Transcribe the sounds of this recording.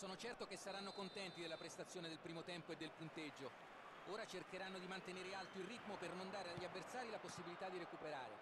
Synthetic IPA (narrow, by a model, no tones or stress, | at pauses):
sɔːnot͡ʃɛrt̪okesːaɾanːokont̪ɛnt̪id̪elːapɾest̪at̪sːjoːned̪elpɾiːmot̪ɛmpoed̪ːelpunt̪ed͡ʒːo | oːɾat͡ʃerkeɾanːod̪imant̪eneːɾealt̪oilrit̪mopernond̪aːɾeaʎːiavːert̪saːɾilaposːibilit̪ad̪ːiɾekupeɾa̰ːɾḛ